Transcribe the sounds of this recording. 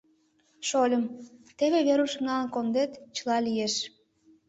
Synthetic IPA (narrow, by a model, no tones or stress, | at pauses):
ʃolʲəmt̪eβeβeɾuʃə̆mnɑənkond̪et̪t͡ɕəlɑlʲijeʃ